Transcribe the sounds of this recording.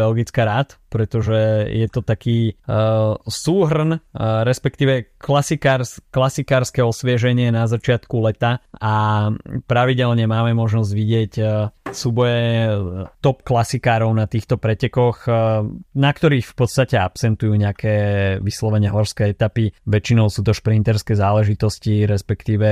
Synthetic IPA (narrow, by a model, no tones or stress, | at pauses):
ɛlɡit͡skaɾaːt̪pɾɛt̪ɔʒɛjɛt̪ɔt̪akiː | suːɦr̩nɾɛspɛk̚t̪iːʋɛklasikaɾsklasikaːɾskɛɔsʋɪɛʒɛɲɪɛnazat͡ʃɪat̪kulɛt̪aa | pɾaʋiɟɛlɲɛmaːmɛmɔʒnɔzɟʋiɟɪɛcfsuːbɔjɛ | t̪ɔpklasikaːɾɔʊnat̪iːxt̪ɔpɾɛcɛkɔx | nakt̪ɔɾiːxfpɔt̪st̪acɛapsɛnt̪ujuːɲɛakʰɛːʋislɔʋɛɲɛɦɔɾskɛɛt̪apiʋɛt͡ʃinɔʊsuːt̪ɔʃpɾint̪ɛɾskɛzaːlɛʒit̪ɔsciɾɛspɛkt̪iːʋɛ